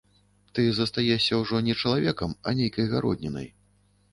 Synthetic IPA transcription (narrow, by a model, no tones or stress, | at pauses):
t̪ɨzɐst̪ajɛsʲɐwʐɔnʲɛt͡ʂɐlˠavʲɛkɐmɐnʲejkɐjɣaɾɔ̰d̪ʲnʲɛnɐ̰j